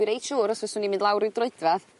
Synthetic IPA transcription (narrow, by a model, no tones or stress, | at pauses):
ɨɾejtʃuːɾɔsvɛsunimɪ̃ndlˠawɾɪwdrʊɨdvað